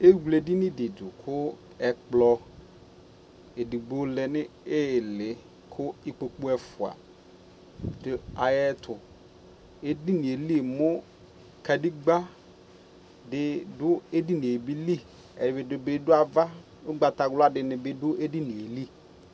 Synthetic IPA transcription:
e˦ɡu˨le˨di˦ni˦dɪ˨dʊ˨kʰʊ˦ | ɛ˨k͡plɔ˦ | e˨di˨ɡ͡bo˦lɛ˨nɪ˦ɪ˦˨lɪ˨ | kʰʊ˦ɪ˦k͡po˨k͡pʊ˦ɛ˦fʊ˨a̰˨ | dɪ˨a˨jɛ˦tʰʊ˨ | e˨di˦nɪ˨e˨li˦˨mʊ˦ | ka˨di˦ɡ͡ba˦ | dɪ˨dʊ˦e˦di˦ni˨e˨bi˦li˦ | ɛ˨bɪ˨dʊ˨bɪ˦dʊ˦a˨va˦ | ʊ˦ɡ͡ba˨ta˨ɡlʊ˦a˦dɪ˨nɪ˨bɪ˦dʊ˦ʔe˦di˦ni˨e˨li˦

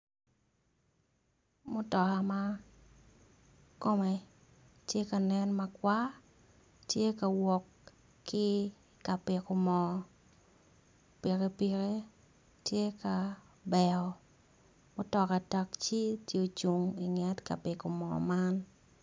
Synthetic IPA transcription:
mʊ˦tɔ˨ka˨ma˦ | ko˦mɛ˨ | tje˦ka˨nɛ˦nma˨kwa˦ | tje˦ka˨wɔ˨kː | ɪ˦ | ka˨pɪ˨ko˨mɔ˨ | pi˨ɾe˦pi˨ɾe˦ | tje˦ka˨ | bɛ˨ɔ˨ | mʊ˦tɔ˨ka˨ta˨kt͡ʃi˦tjo˨t͡ʃu˨ŋi˨ŋɛ˦tka̰˨pɪ˨ko˨mɔ̰˨ma˦n

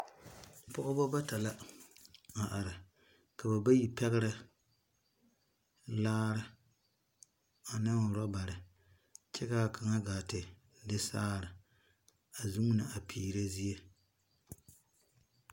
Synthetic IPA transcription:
pʊ˦ʔʊ˦bɔ˦ba˦ta˨la˦ | a˨ʔa˨ɾɪ˨ | ka˨ba˨ba˦ji˨pɛ˦ɣɪ˦ɾɪ˨ | laː˦ɾɪ˦ | a˨nɪ˦ŋʊ˨ɾɔ˦ba˨ɾɪ˨ | t͡ʃɛ˦ɣa˦˨kʰa˨ŋa˦ɡaː˨tɪ˨ | dɪ˦saː˦ɾɪ˨ | a˨zu˦ŋ˦nɨ˨ʔa˨pʰiː˨ɾe˦zi˦je˦

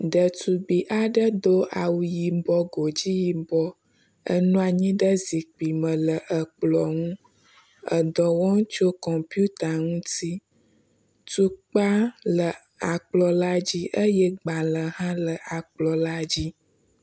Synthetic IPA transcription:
ɖə˨t̪u˨ɡ͡bi˨ʔa˨ɖə˦d̪o˦ʔa˨wu˨ji˨bɔ˦ɡo˨d͡ʑi˦ji˨bɔ˦ | ə̰˦nũ˦a˨ɲĩ˦ɖə˦zi˨k͡pi˨mə̃˨lə˨ʔə˨k͡plɔ˨ŋũ˦ | ə̰˨d̪ɔ˨wɔ˦ŋ˦t͡ʃo˦kɔ˨mpi˦u˦t̪a˨ŋũ˦t̪i˦ | t̪u˦k͡pa˦lə˨ | a˨k͡plɔ˨la˦d͡ʑi˦ʔə˦jɛ˦ɡ͡ba˨lə˨ɦã˦lə˨ʔa˨k͡plɔ˨la˦d͡ʑi˦

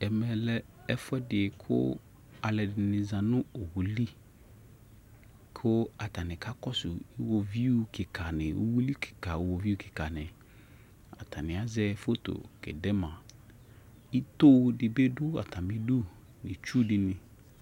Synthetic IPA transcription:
ɛ˨mɛ˨lɛ˦ | ɛ˦fʊ˦ɛ˦dɪ˨kʰʊ̰˦ | a˨lɛ˨dɪ˨nɪ̃˨zã˨nʊ̃˦o˨wu˨li˦ | kʰʊ˦a˨ta˨nɪ̃˨ka˦kɔ˦sʊ˨ɪ˦wo˨vi˦u˦˨kɪ˨kʰa˨nɪ˨o̰˦wu˦li˦kʰɪ̥˨ka˨wo˨vi˦u˦kʰɪ̥˨ka˨nɪ̃˨ | a̰˨tʰa˨nɪ̃˨a˨˦zɛ˦fo˦to̰˨kɛ̰˨dɛ˦mã˨ | i˦t̪o˦wdɪ˨be˦dʊ˦a̰˨ta˨mɪ̃˦du˦ | nɪ̃˨t͡ʃu˦dɪ˦nɪ̃˨

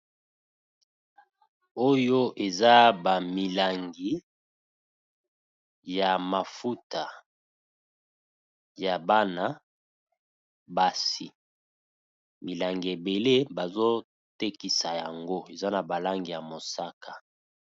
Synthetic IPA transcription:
o˦jo˦ʔe˨za˦ba˨mi˨la˨ŋɡi˨ | ja˨ma˨fu˦ta˨ | ja˨ba˦na˨ | ba˨si˨ | mi˨la˨ŋɡi˨e˨be˨le˦ba˨zo˦ | te˦ki˨sa˨ja˨ŋɡo˦e˨za˦na˨ba˨la˦ŋɡi˨ja˨mo˨sa˦ka˨

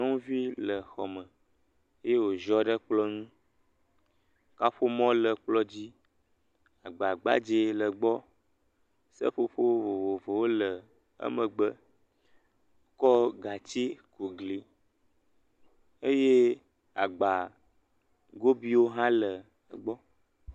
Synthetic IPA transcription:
nɔ̃˦ũ˦vi˦lə˨xɔ˨mə̃˨ | e˦je˦wo˨ʒɔ˦ɖə˦k͡plɔ˦ŋũ˦ | ka˦ɸo˦mɔ̃˦lə˨k͡plɔ˦d͡ʑi˦ | a˨ɡ͡ba˨ɡ͡ba̰˦d͡ʒe˨lə˨ɡ͡bɔ˦ | sə̰˦ɸo˦ɸo˦vo˨vo˨vo˨wo˦lə˨ | ə̰˦mə̃˨ɡ͡bə˦ | wo˦kɔ˦ɡa˨t͡ɕi˦ko˨ɡli˨ | e˦je˦ | a˨ɡ͡ba˨ | ɡo˦bi˦wo˦ɦã˦lə˨ | ɡ͡bɔ˦

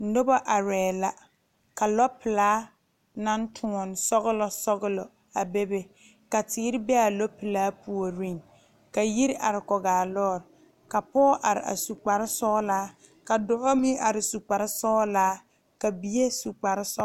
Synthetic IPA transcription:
n̩˦dʊ˦bɔ˦ʔa˨ɾɛː˨la˨ | ka˨lɔ˦pɪ˨laː˦ | na˦n˦tʰʊ˨˦ɔ˨nsɔ˦ɣʊ˦lɔ˦sɔ˦ɣʊ˦lɔ˨ | a˨be˦be˦ | ka˨tɪː˦ɾɪ˦bɛ˦a˨lɔ˦pɪ˨laː˦pu˨o˨ɾi˦˨ŋ | ka˨ji˦ɾʔa˨ɾɪ˨kɔ˨ɡaː˨lɔː˦˨ɾɪ˨ | ka˨pɔː˦ʔa˨ɾɪ̰˨ʔa̰˨su˨k͡pa˨ɾɪ˦sɔː˦laː˦ | ka˨dʊ˦˨ʔɔ˦mi˦ʔa˨ɾɪ˨su˨k͡pa˨ɾɪ˦sɔː˦laː˦ | ka˨bi˨e˦su˨k͡pa˨ɾɪ˦sɔ˦

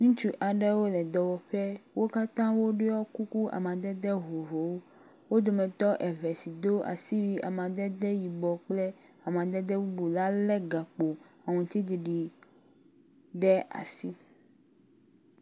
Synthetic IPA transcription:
ŋũ˦t͡ʃu˦ʔa˨ɖɛ˦wo˦lɛ˨d̪ɔ˨wɔ˨ɸɛ˦wo˦ka˦t̪ã˦wo˦ɖe˦ɔ˦ku˦ku˦a̰˨mã˨d̪ɛ˦d̪ɛ˦ɦo˨vo˨wo˦ | wo˦d̪o˨mɛ̃˨t̪ɔ˦ʔɛ˨vɛ˨si˨d̪o˦a̰˨si˦wi˦ʔa̰˨mã˨d̪ɛ˦d̪ɛ˦ji˨bɔ˨k͡plɛ˦ | a˨mã˨d̪ɛ˦d̪ɛ˦wu˦bu˨la˦lɛ˦ɡa˨k͡po˨a˨ŋũ˨t̪i˦d̪i˨ɖi˨ | ɖɛ˦a̰˨si˦

